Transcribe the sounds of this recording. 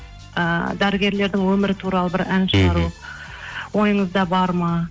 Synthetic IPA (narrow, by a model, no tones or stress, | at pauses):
əd̪æɾɪɡʲe̞ɾle̞ɾd̪ɪŋwɵmɪɾɪt̪ʰuɾɑlˠəbɪɾænʃəʁɑɾu | wo̞jəɴəzd̪ɑbɑɾmɑ